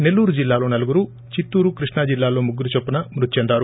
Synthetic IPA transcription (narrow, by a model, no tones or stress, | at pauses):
ne̞lːuːɾud͡ʒilːaːlo̞ːnɐluɡuɾu | t͡ʃit̪ːuːɾukɾiʂɳaːd͡ʒilːaːlo̞ːmuɡːuɾut͡ʃopːunɐmɾut̪it͡ʃɛnd̪aːɾu